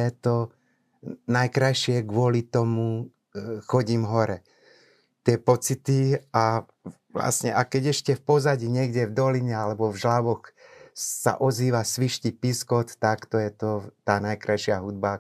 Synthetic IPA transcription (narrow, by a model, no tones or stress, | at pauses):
jɛt̪ɔ | najkɾajʃɪɛɡʋʊɔlit̪ɔmu | xɔɟimɦɔɾɛ | t̪ɪɛpɔt͡sit̪ia | ʋla̰sɲɛʔakɛɟɛʃcɛfpɔzaɟiɲɪɛɡɟɛvd̪ɔliɲɛalɛbɔvʒlaʋɔx | sa̰ʔɔziːʋasʋiʃcipiskɔt̪ːakt̪ɔjɛt̪ɔt̪aːnajkɾajʃɪaɦud̪̚ba